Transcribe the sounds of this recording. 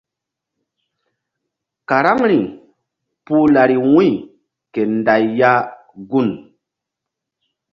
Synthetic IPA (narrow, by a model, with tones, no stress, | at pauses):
ka˨ɾa˦ŋɾi˨ŋ | pu˦la˨ɾi˨wĩ˦˨ | ke˨nda˨jːa˦ | ɡu˦n